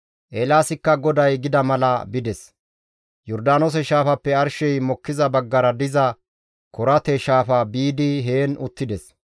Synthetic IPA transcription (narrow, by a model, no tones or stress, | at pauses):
ʔeːlaːsɪkːɐɡɔd̪ɐjɡɪd̪ɐmɐlɐbɪd̪ɛs | jɔɾd̪aːnoːs̬ɛʃaːfɐpːɛɐɾʃɛjmɔkːɪzɐbɐɡːɐɾɐd̪ɪzɐ | kɔɾɐt̪ɛʃaːfɐbiːd̪ɪɦeːnʊt̪ːɪd̪ɛs